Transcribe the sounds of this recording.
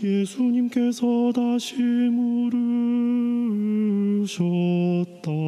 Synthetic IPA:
jesʰuɲimke̞sʰʌdaɕʰimuɾɯɭ | ɕʰʌt̚t͈a

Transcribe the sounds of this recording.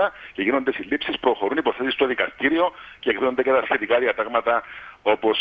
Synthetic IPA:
ɐce̞ʝino̞nd̪esilːipsispɾo̞xo̞ɾunipo̞θe̞sist̪oðikɐst̪iɾio̞ceːkðino̞nd̪ecet̪ɐsçe̞t̪ikɐðiɐt̪ɐɣmɐt̪ɐo̞po̞s

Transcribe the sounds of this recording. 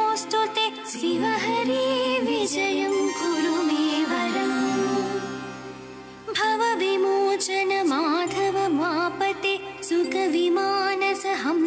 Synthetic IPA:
oːst̪ot̪e | sʋiʋɐɦɐɾiʋid͡ʒɐjɐmɡʱuɾumeːʋɐɾɐm | bʱɐʋɐʋimoːt͡ʃɐnɐmad̪ʱɐʋɐmaːpɐt̪esukɐʋimaːnɐsɐɦɐm

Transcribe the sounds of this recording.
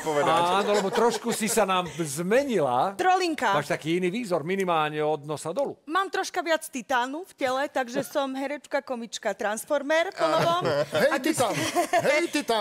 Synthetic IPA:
pɔʋɛd̪aaːnɔlɛbɔt̪ɾɔʃkusisanaːmzmɛɲila̰t̪ɾɔliŋkamaːʃt̪akiːiniːʋiːzɔɾminimaːlɲɛɔd̪nɔsad̪ɔlṵmaːmt̪ɾɔʃkaʋɪat͡st̪it̪aːnufcɛlɛt̪aɡʒɛsɔmɦɛɾɛt͡ʃkakɔmit͡ʃkat̪ɾansfɔɾmɛɾpɔnɔʋɔmɦɛt̪iaɦɛjt̪it̪a

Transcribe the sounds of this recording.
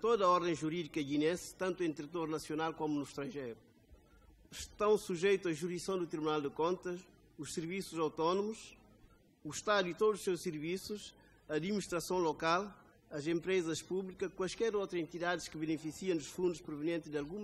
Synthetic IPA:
t̪oðɐɔɾðẽj̃ʒuɾiðikɐɣinẽsɨ̥t̪ɐ̃nt̪uẽnt̪ɾɨt̪oɾnɐsjonalˠkomunuʃt̪ɾɐ̃ʒejɾu | ʃt̪ɐ̃w̃suʒejt̪uɐʒuɾisɐ̃w̃d̪ut̪ɾiβunalˠd̪ɨkõnt̪ɐʃ | uʃsɨɾvisuzawt̪ɔnumuʃ | uʃt̪aðuit̪od̪uzuʃsewʃsɨɾvisuʃ | ɐːd̪miniʃt̪ɾɐsɐ̃w̃lokalˠ | ɐzẽmpɾezɐʃpuβlikɐkwaʃkɛɾowt̪ɾɐẽnt̪iðaðɨʃkɨβɨnɨfisiɐ̃w̃d̪uʃfũnd̪uʃpɾuvɨniẽnt̪d̪ɨalˠɣũm

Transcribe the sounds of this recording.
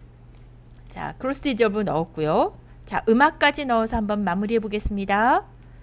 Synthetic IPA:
t͡ɕa̰kɯɾos͈ɯid͡ʑʌbɯnʌok̚k͈ujo | t͡ɕaʔɯmak̚k͈ad͡ʑinʌosʰʌhambʌnmamuɾiɦe̞boɡe̞s͈ɯmɲida

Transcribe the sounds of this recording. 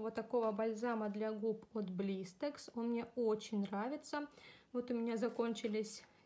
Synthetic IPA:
vot̪ːɐko̞vəbɐlʲzaməd̪lʲaɡupot̪blʲist̪eksonmnʲe̞ot͡ɕɪnʲnravʲɪt̪səvo̞t̪ʊmʲɪnʲazɐko̞nʲt͡ɕɪlʲɪsʲ

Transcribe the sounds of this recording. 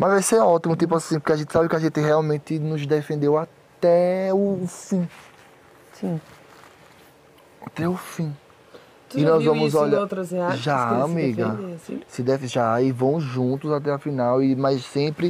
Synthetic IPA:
mɐzvajseɔt̪imʊt̪ip̬ʊasĩpokeaʒẽt̪ɪsabɪkɪaʒẽt̪ɪɦɛawmẽt̪ɪnʊzd̪efẽnd̪ewa | t̪ɛʊfĩ | sĩ | at̪ɛʊfĩ | ɪnɔzvɐ̃mʊzɔʎat̪ɾɐzʒaamiɡɐesḭ̃sɪd̪ɛfʒaɪvɐ̃w̃ʒũt̪ʊzat̪ɛafĩnawɪmajssẽpɾɪ

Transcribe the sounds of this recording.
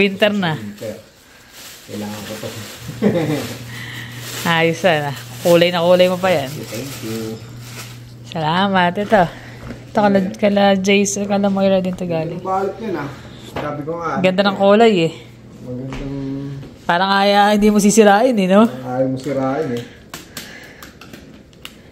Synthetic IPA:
wint̪ɛɾnɐt̪ɛɾ | kɐjlaːŋɐnkot̪ɐ | ʔaːjʊsɐnɐkuːlɐjnɐkuːlɐjmopɐjant̪ɛŋkju | sɐlaːmɐt̪ɛt̪o̞ | t̪okɐlɐkɐlɐd͡ʒɛjsɐkɐlɐmoʔɪɾad̪ɪnt̪oɡaːlɪbaːlɐt̪̚ɲɐnɐ | saːbɪkoŋamɐɡɐnd̪ɐnɐŋkuːlɐjɛ | mɐɡɐnd̪ɐ | paːɾɐŋʔaːjahɪnd̪iːmos̬isɪɾaːʔɪnɛnoaːjomosɪɾaːʔɪnɛ

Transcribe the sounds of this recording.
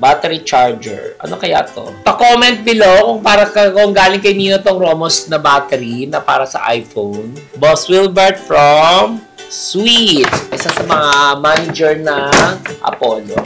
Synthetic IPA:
bat̪ɛɾit͡ʃaɹd͡ʒɛ̰ɹʔɐ̰nokɐja̰ːt̪o̰pɐkomɛnt̪̚bɪlokʊŋpaːɾɐkɐkoŋɡaːlɪŋkɐjmiːnot̪oŋɾoːmosnɐbaːt̪ɛɾinɐpa̰ːɾɐsɐ̰ʔa̰jfown | boswilbɛɹt̪̚fɹɐm | swit̪ʔɪsasɐmɐŋamaːnɪd͡ʒɛɹnɐʔɐ̰poːlo̰

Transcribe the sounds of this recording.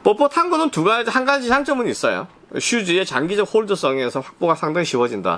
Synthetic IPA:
mʌpotʰanɡunɯntuɡaed͡ʑhanɡad͡ʑʰisʰaŋt͡ɕ͈ʌmuɲiːs͈ʌjo̰ | ɕʰud͡ʑie̞t͡ɕaŋɡid͡ʑʌk̚hoɭdɯs͈ʌŋe̞sʰʌɸwak̚p͈oɡasʰaŋdaŋiɕiwʌd͡ʑinda̰

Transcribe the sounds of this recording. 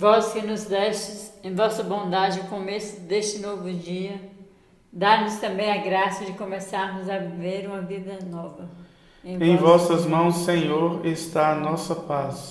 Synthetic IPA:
vɔskɪnʊzd̪ɛʃt͡ʃɪsẽj̃vɔsɐbõd̪ad͡ʒɪkõmesʊd̪est͡ʃɪnovʊd͡ʒiɐ | d̪aɾnʊst̪ɐ̃bẽj̃ɐɡɾasɐd͡ʒɪkõmesaɾnʊzɐveɾũmɐvid̪ɐnɔvɐ | ẽj̃ẽj̃vɔsɐzmɐ̃w̃sːẽɲoɾest̪aɐnɔsɐpas

